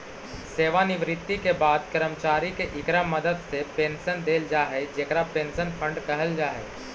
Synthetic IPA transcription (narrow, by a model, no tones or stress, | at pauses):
seːʋanɪʋɾɪt̪ːikebaːd̪kəɾəmt͡ʃaːɾikeʔɪkɾəmːəd̪əd̪sepẽːnsənd̪eːld͡ʒaːɦed͡ʒeːkɾapẽːnsənpʰə̃ɳɖkəɦəld͡ʒaːɦɛ̰